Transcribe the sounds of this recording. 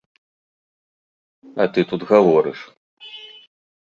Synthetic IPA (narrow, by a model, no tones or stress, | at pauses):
ɐt̪ɨt̪ud̪ɣavɔɾɨ̰ʂ